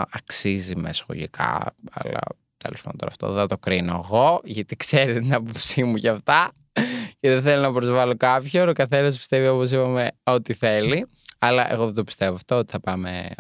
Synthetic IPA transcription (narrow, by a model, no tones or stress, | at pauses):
ɐksizimḛsxo̰lḭkʰɐ̰ɐ̰lɐ̰ | t̪elospɐ̰no̰t̪oɾɐ̰ːft̪o̰ɐt̪okɾinoeɣo̞ʝɐt̪ikseɾet̪t̪inɐpopsimuʝɐft̪ɐ | ceðeθelonɐpɾo̞zvɐlokɐpçoɾokɐθenɐspi̥st̪evio̞pos̬ipɐmeo̞t̪iθe̞li | ɐlɐʔeɣo̞ðet̪opist̪e̞voɐft̪oot̪i̥θɐpɐmḛ